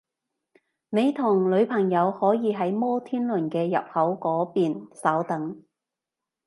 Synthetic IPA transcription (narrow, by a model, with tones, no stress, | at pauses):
ne˨˧jt̪ʰʊ˨˩ŋlɵ˨˧ɥpʰɐ˨˩ŋjɐ˨˧whɔː˨˥jiː˨˧ɦɐ˨˥jmɔː˥t̪ʰiː˥nlɵ˨˩nkɛː˧jɐ̰˨p̚hɐ˨˥wkɔː˨˥piː˨nsɐ˨˥wt̪ɐ˨˥ŋ